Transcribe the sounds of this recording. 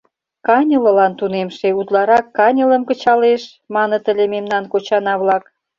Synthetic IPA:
kɑnʲəlɤ̆lɑnt̪unemʃeut̪lɑɾɑkːɑnʲə̆lə̆mkə̆t͡ɕɑleʃ | mɑnə̆t̪ə̆lʲememnɑnkot͡ɕɑnɑβlɑk

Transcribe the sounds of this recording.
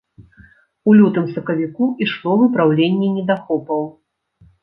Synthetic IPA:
ulʲut̪ɨmsɐkɐvʲikuiʂlˠɔvɨpɾawlʲenʲːɛnʲɛd̪axɔpɐw

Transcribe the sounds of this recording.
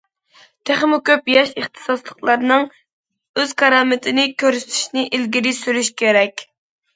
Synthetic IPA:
t̪ʰæχmukʲøpjɑʃəχt̪ʰɨ̥sɑslˠəqlˠɑɾnɨŋ | øz̥kʰɑɾɑːmɪt̪ʰɪnɪkʲʰøɾsy̥t̪ʰy̥ʃnɪʔilɡʲiɾɪsyɾyʃkʲʰeɾɛkʲ

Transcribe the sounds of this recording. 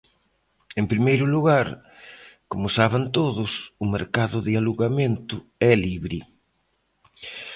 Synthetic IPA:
empɾimejɾʊluɣaɾ | komʊsaβɪnt̪oðʊsʊmeɾkaðʊðɪaluɣamẽnt̪ʊɛliβɾi

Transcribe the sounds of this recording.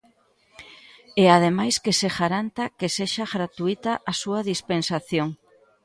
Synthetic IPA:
eað̞emajskeseɣaɾant̪akeseʃaɣɾat̪uit̪aʔasuaðispensaθjoŋ

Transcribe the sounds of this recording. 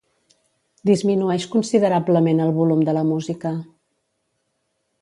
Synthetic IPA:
d̪izminuɛʃkunsiðəɾabləmenəlˠβulumd̪ələmuzikə

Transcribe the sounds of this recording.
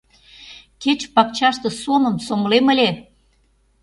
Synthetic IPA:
ket͡ɕpɑkt͡ɕɑʃt̪ɤ̆somə̆msomlemə̆lʲe

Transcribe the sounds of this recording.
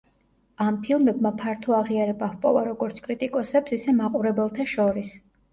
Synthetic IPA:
ampʰilˠmɛbmapʰaɾt̪ʰɔaʁiaɾɛbavpʼɔ̰vaɾɔɡɔɾt̪sʰkʼɾit̪ʼikʼɔsɛpsisɛmaqʼuɾɛbɛlˠt̪ʰaʃɔɾis

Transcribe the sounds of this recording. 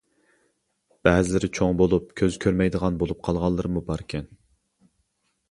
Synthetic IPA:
b̥ɛːzɪlɪɾɪt͡ʃʰoŋbolˠup̚kʲʰøzkʲʰøɾmɛjd̪əʁɑnbolˠup̚qʰɑlˠʁɑlˠːɨɾɨmubɑɾkʲʰɛn

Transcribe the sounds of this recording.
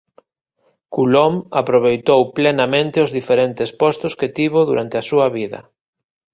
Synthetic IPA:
kulɔmapɾoβejt̪owplenɐmẽnt̪ɪʊzðifeɾent̪ɪspɔst̪ʊsket̪iβoðuɾant̪ɪasuɐβiðɐ̰

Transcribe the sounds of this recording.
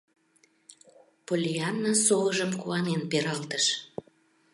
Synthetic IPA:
polʲiɑnːəsoəʒəmkuɑnenpeɾɑlt̪əʃ

